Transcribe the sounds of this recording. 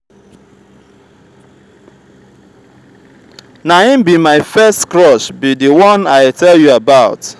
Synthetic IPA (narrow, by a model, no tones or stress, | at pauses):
naĩmbimaɪfɛstkɹɔʃbidiwɔ̃naɪtʰɛljuabaʊt